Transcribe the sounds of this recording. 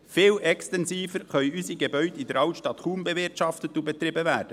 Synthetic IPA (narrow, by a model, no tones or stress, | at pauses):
fɪːlʔɛkstɛnsiːfəɾχœjysiɡebœɥdidəɾɑʊtʃtɑt̪χuːmbɛvɪrtʃɑft̪ət̪ːubɛt̪ɾɪbəʋæːɾd̥ə